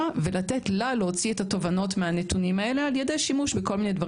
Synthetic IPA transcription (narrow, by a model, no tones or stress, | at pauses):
avelat̪etlaleot͡siet̪ato̞vano̞tmeanet̪unimae̞le̞aljede̞jʃimuʃbeko̞lminedvaʁ